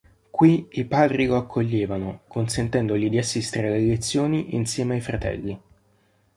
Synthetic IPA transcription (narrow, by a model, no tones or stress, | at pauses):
kwiipaːd̪ɾikoakʰːoʎːeːvanokonsent̪ɛnd̪oʎid̪iasːist̪eɾelelet̪sːjoːniʔinsjɛːmeajfɾat̪ɛ̰lːi